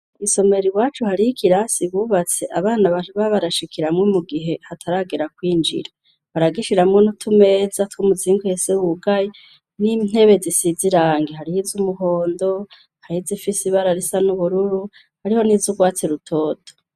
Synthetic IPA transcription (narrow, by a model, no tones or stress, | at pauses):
iso̞me̞ɾiwaːt͡ʃuhaɾihikʰiɾasiβuːβat͡se̞ʔaβaːnaβauβaβaɾaʃikʰiɾamŋomuɡiɦe̞hatʰaɾaɡeɾakwiːnd͡ʒḭɾa | βaɾaɡiʃiɾamŋonutʰume̞ːzatwumuziːŋɡuhesewuɡaje | nin̥e̞βe̞zisiziɾaːŋɡehaɾihizumuɦo̞ːndo̞ | hahizifisiβaɾaɾisanuβuɾuɾu | haɾiho̞nizuɡwaːt͡seɾutʰo̞ːdo̥